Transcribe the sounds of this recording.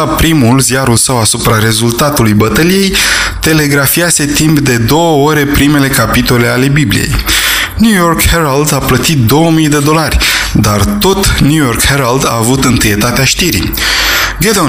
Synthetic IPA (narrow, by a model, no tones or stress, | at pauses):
apɾimulzijaɾulsəwasupɾaɾe̞zult̪at̪ulujbət̪əlije̞jt̪e̞le̞ɡɾafiase̞t̪impd̪e̞d̪o̞wəo̞ɾe̞pɾime̞le̞kapit̪o̞le̞ale̞biblḭje̞̰j | njujo̞rkheɾald̪aplət̪it̪̚d̪o̞wəmijd̪e̞d̪o̞larʲd̪art̪o̞t̪njujo̞rkheɾald̪a̰ːvut̪ɨnt̪ɨje̞t̪at̪eaʃt̪iɾḭ | ɡed̪o